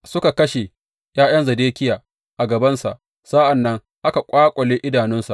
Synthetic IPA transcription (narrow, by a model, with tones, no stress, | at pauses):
sʊ˦ka˨kɐ˦ʃe˨ | j̰aː˦jɐ˦nzɐ˨deː˦kʲɪ˦jaː˨ | ʔa˨ɡɐ˨bɐ˦nsa̰˨ʔ | sa˦ʔa˨nːɐ˦ŋ | ʔa˦ka˨kʷʼaː˦kʷʼɐ˨leː˦ʔɪ˦daː˨nɪ˦nsa˨ʔ